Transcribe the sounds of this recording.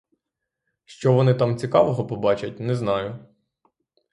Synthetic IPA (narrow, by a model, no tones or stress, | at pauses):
ʃt͡ʃɔʋɔnɪt̪ɑmt͡sʲikɑʋɔɦɔpɔbɑt͡ʃɐt̚ʲnɛznɑjʊ